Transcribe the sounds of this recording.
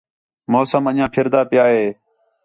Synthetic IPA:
moːsəmənjãːpʰɪɾd̪aːpɪjaːɦeː

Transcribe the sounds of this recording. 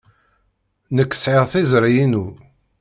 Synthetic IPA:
nəkːə̥sʕɪʁθizɾjinu

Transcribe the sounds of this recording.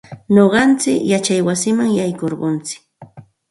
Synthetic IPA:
ɲoɢɑnt͡sɪkjat͡ʃajwasɪmaŋjajkoɾɢont͡sɪ̥k

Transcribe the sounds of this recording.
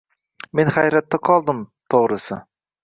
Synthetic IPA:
me̞nχajɾat̪ːaqʰɒlˠd̪ɪmt̪ʰoʁɾɪsɪ

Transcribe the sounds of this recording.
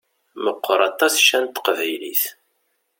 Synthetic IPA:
məqːəɾˤɑt̪ˤːɑsʃænt̪qvæjliθ

